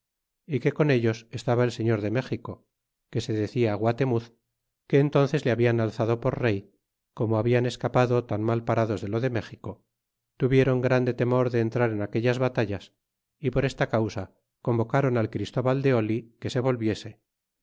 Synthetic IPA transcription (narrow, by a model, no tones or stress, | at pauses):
ike̞ko̞ne̞ʎo̞sest̪aβaelse̞ɲo̞ɾðe̞me̞χiko̞ | ke̞se̞ðe̞θiaɣwat̪e̞muθ | ke̞ːnt̪o̞n̟θe̞zleaβianalθaðo̞po̞ɾre̞j | ko̞moaβiane̞skapaðo̞t̪anmalpaɾaðo̞zðe̞lo̞ðe̞me̞xiko̞ | t̪uβje̞ɾo̞ŋɡɾand̪e̞t̪e̞mo̞ɾðeːnt̪ɾaɾe̞nake̞ʎazβat̪aʎas | ipo̞ɾe̞st̪akawsa | ko̞mbo̞kaɾo̞nalkɾist̪o̞βald̪e̞o̞like̞se̞β̞o̞lβje̞se̞